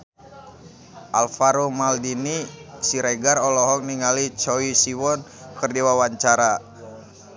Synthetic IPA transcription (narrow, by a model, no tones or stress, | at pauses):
ʔa̰lfaɾumaldinisiɾeɡarɔlɔɦɔk̚niŋalit͡ʃɔisiwɔnkərdiwawaɲt͡ʃaɾa